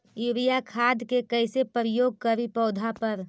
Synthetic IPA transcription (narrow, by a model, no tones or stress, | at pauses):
juɾijakʰaːd̪kekəɪsepɾjoːɡ̚kəɾipɔːd̪ʱapəɾ